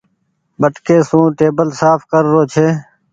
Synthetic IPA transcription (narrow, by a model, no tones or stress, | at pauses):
bəʈkeːsũːʈeːbəlsaːfkəɾːoːt͡ʃʰeː